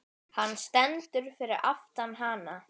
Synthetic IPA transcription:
hanːst̪ɛnt̪ʏɾ̥fɪɾɪɾa̰ft̪anɦaːna

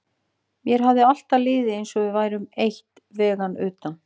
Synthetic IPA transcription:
mjɛɾ̥ɦavðɪal̥t̪alɪːðɪejnsɔɣvɪðvaːjɾʏmejht̪ | vɛːɣanʏ̰ːt̪an

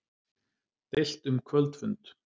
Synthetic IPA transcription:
t̪el̥t̪ʏmkʰvœlt̪fʏnt̪

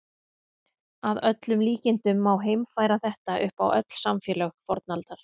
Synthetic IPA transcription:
aðœt̪lʏmliːcɪnt̪ʏmːawɦejmfaːjɾaθɛht̪aʔʏhpawʔœ̰t̪l̥samfɛːlœxfɔɾt̪nalt̪aɾ̥

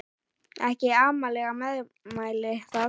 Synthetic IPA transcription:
ɛhcɪaːmalɛɣamɛð | maːjlɪθa

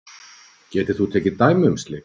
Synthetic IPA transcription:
cɛːt̪ɪ̥θut̪ʰɛːcɪt̪aːjmʏʏmst̪lɪ

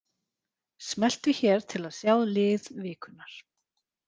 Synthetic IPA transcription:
smɛl̥t̪ʏçɛːɾ̥t̪ʰɪlaðsjaːwðlɪːðvɪːkʰʏnːaɾ̥

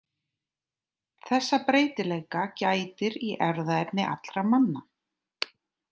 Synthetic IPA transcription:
θɛsːapɾeːjt̪ɪlejkacaːjt̪ɪɾiʔɛɾðaɛpnɪʔa̰t̪lɾamanːa

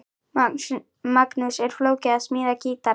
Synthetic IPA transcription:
maknʊʃeɾflowkeasmiɾakit̪a

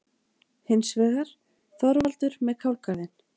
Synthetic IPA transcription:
hɪnsvɛːɣaɾ̥ | θɔɾvalt̪ʏɾmɛðkʰawlkaðɪn

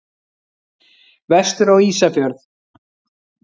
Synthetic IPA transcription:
vɛst̪ʏɾawiːsafjœɾθ

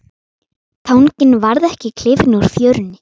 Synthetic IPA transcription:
t̪ʰawŋcɪnvaɾðɛhcɪkʰl̥ɪvnuɾ̥θjœːɾʏnːɪ

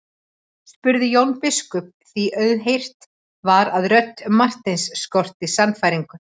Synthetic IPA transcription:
spʏɾðɪjownpɪskʏp̚θiʔœɥðɦejr̥t̪ | vaɾaðrœt̪ːmar̥t̪ejnsːkɔr̥t̪ɪsanfajɾiŋkʏ

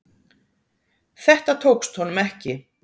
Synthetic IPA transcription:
θɛht̪at̪ʰowkst̪hɔnʏmɛhcɪ

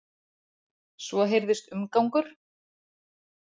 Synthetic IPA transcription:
svɔɦejɾðɪst̪ʏmkawŋkʏɾ̥

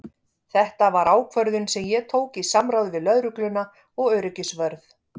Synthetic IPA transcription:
θɛht̪avaɾaːwkʰvœɾðʏnsɛmjɛt̪ʰoːwkisamɾawðvɪðlœðɾʏklʏna | ɔɣœɥɾʏcʏsvœɾθ

